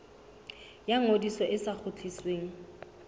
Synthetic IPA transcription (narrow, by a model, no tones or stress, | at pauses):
jaŋodisɔʔɪsak͡xʰʊt͡ɬʰisweːŋ̩